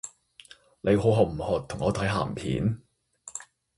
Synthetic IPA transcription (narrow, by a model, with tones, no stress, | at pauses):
ne˨˧jɦo˨˧˥ɦɔː˨˩k̚m̩˨˩hɔː˨t̪ʰːʊ˨˩ŋɔː˨˧t̪ʰɐ˨˥jɦa̰ː˨˩mpʰḭː˨˥n